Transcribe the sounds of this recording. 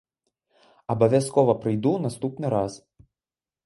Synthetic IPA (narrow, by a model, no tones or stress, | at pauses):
ɐbɐʋʲɛskɔːʋɐpɾɐjd̪uːnɐst̪uːpʲnʲɛɾɑːs